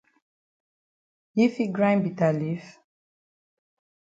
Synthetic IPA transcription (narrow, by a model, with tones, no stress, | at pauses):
i˦fi˦ɡɹãj̃nbi˨talif